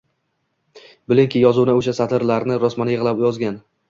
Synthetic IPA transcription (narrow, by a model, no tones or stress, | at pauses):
bɪlɪŋkʲʰɪjɒzʊnaʊʃasat̪ʰɪɾlaɾnɪɾɒsmanjɪʁlˠapjɒzɡʲan